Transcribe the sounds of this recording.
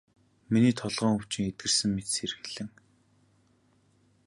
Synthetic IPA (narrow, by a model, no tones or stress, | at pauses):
miniːt̪ʰɔɮʁœːŋuwʰt͡ɕɪ̆ŋet̪̚ɡɘ̆rsɘ̆ŋmet̪seɾɘ̆xɘɮ̥ɘ̆ŋ